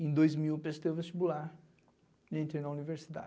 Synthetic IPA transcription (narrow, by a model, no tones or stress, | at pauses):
ẽd̪ojzmiwpɾest̪evest͡ʃibulaɾ | nẽt̪eɾnɐuniveɾsid̪a̰d͡ʒ